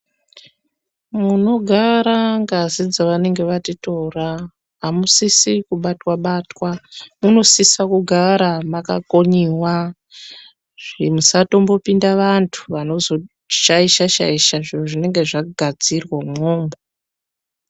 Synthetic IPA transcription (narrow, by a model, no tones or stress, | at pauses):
muno̞ɡʱaɾaŋɡazid͡zaʋane̞ŋɡe̞ʋatitora | ɦamusisikuɓatwaɓaːtwamuno̞sisakuɡʱaɾamaka̰ko̞ɲiwa | ʐ̥imusato̞mbo̞pindaʋantʰu̥ʋano̞zo̞ | ʃaiʃaʃa̰iʃaʐinuʐine̞ŋɡe̞ʐaɡʱad͡zirwamoːmbo